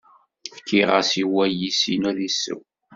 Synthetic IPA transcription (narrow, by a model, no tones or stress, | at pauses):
fkʰːiʁəsiwæjisinuɾisːə̰w